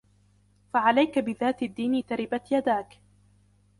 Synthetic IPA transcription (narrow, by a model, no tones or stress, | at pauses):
faʕalajkabɪðaːt̪ad̪ːiːnit̪aɾɪbat̪jad̪aːk